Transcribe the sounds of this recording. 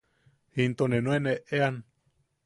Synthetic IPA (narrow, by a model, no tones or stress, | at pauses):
hint̪onenõeneʔean